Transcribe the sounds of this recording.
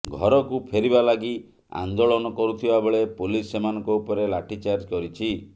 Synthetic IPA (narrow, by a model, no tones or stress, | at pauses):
ɡʱɔɾɔkupʰeɾibalaɡi | a̰nd̪oɭɔnɔkɔɾut̪ʰibabeɭepulisːemanɔ̃ŋkɔupɔɾelaʈʰit͡ʃaɾd͡ʒkɔɾit͡ʃʰi